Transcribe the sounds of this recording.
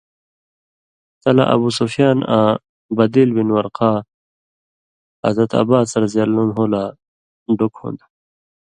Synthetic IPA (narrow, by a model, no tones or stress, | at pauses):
t̪ɐla̰ʔɐ̰busofjaːnã | bɐd̪ilbinwɐɾqaː | ɐ̰zɐt̪ɐ̰baːsɐɾzjɐlːunɦoːla | ɖokho̰nd̪